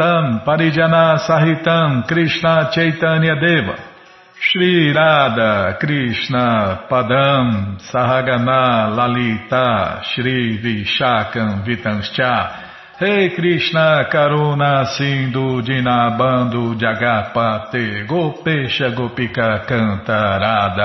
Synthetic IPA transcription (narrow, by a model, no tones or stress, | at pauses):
t̪ɐŋpaɾid͡ʒanasaɦit̪ãŋkɾiʃnat͡ʃejt̪ãniad̪eba̰ | ʃɾiɾad̪akɾiʃnapad̪aŋsaɦaɡanalalit̪aʃɾiviʃakɐ̃ŋvit̪ɐ̃ŋst͡ʃa | hekɾiʃnakaɾũnasĩd̪ud͡ʒinabɐ̃d̪ud͡ʒaɡapat̪eɡopeʃɐɡopikakɐ̃t̪aɾad̪a